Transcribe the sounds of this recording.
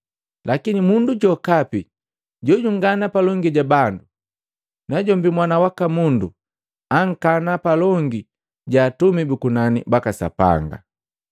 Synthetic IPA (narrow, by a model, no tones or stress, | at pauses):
lakinimunduɟɔkapi | ɟɔɟuŋɡanapalɔŋɡiɟabandu | naɟɔmbimwanawakamundu | aŋ̩kanapalɔŋɡi | ɟaːtumibukunanḭbakasa̰pa̰ŋɡa̰